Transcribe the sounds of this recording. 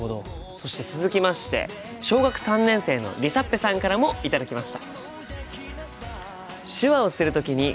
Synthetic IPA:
od̪o̞̰ | so̞ɕi̥t̪e̞t͡sɨzɨkʲimaɕi̥t̪e̞̰ | ɕo̞ːɡakɯ̟̥sãnːẽ̞ɰ̃se̞ːno̞̰ɾʲisapːe̞sãŋkaɾamo̞it̪ad̪akʲimaɕi̥t̪a | ɕɨβao̞sɨɾɯ̟t̪o̞kʲiɲ̟i

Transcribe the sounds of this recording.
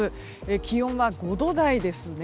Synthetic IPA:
ɨ | ekʲijõ̞ɰ̃βaɡo̞d̪o̞d̪aid̪e̞sɨne

